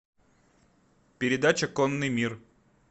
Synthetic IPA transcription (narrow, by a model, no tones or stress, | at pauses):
pʲɪɾʲɪd̪at͡ɕəkonːɨjmʲir